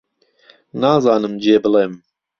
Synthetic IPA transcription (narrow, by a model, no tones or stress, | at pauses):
naːzɑːnɨmd͡ʒeːbɨlem